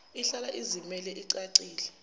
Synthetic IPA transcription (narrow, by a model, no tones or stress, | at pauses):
iɬalaʔizimɛlɛʔiǀaǀiːlɛ